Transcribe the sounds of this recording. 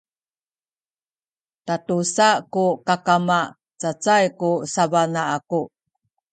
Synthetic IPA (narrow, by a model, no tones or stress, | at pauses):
tatusakukakama | t͡sat͡sajkusavanaaku